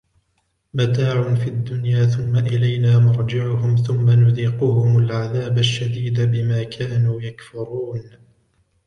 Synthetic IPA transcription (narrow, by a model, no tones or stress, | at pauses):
mat̪aːʕʊnfiʔad̪ːʊnjaːθʊmːaʔɪlajnaːmʊɾˤd͡ʒɪʕʊhʊmθʊmːanʊðiːqʊhʊmʊlʕaðaːbaʃːad̪iːd̪abɪmaːkʰaːnuːjakfʊɾˤuːn